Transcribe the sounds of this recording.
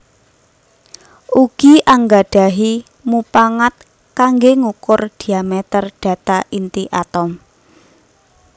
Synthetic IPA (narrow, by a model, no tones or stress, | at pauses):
ʔuɡ̥iʔaŋɡaɖ̥a̤ɦi | mupaŋat̪̚ | kaŋɡeŋukʊrd̪̥i̤amɛt̪ərɖ̥a̤t̪aʔint̪iʔat̪ɔm